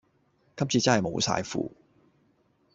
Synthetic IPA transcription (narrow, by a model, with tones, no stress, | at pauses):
kɐ˥p̚t͡siː˧t͡sɐ˥hɐ˨jmo̰˨˧wsa̰ː˧jfṵː˧